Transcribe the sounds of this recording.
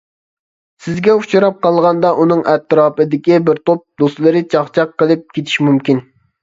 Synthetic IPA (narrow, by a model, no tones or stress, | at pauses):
sɪzɡʲɛut͡ʃʰuɾɑp̚qʰɑlˠʁɑnd̪ɑʔunɨŋʔɛt̪ːɾɑːpɨd̪ɪkʲibɪɾt̪op̚d̪ost̪lˠɨɾɨt͡ʃʰɑχt͡ʃʰɑqːəlˠɨp̚kʲʰet̪ʰɪ̥ʃmymkʲin